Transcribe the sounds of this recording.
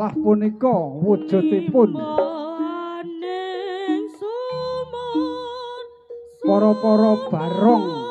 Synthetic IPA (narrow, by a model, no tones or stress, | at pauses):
lahpunikɔwud̥ʒ̥ṳt̪epʊn | pɔɾɔpɔɾɔb̥a̤ɾɔŋ